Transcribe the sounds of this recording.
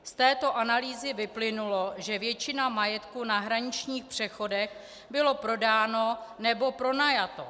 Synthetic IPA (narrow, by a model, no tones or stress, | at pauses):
st̪ɛːt̪o̞ʔanaliːzɪvɪplɪnulo̞ʒɛvjɛt͡ʃɪnamajɛt̪kunaɦɾaɲɪt͡ʃɲiːxpr̝̥ɛxo̞dɛx | bɪlo̞pɾo̞daːno̞nɛbo̞pɾo̞najat̪o̞